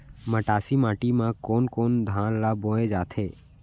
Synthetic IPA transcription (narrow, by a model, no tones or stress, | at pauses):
məʈaːsimãːʈimãkoːnkoːnd̪ʱãːnlaboːed͡ʒaːt̪ʰeː